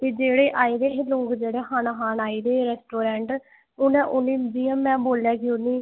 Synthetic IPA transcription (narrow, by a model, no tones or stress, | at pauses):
t̪eːd͡ʒeːɽeːʔaːiːd̪eːɦloːkd͡ʒeːɽeːɦaːnaɦaːnaːiːd̪eːɾɛːsʈoːɾɛ̃ːɳʈ | ʊnɛ̃ːʔʊnːiːd͡ʒiːə̃mɛ̃ːboːlaːkiːʊnːiː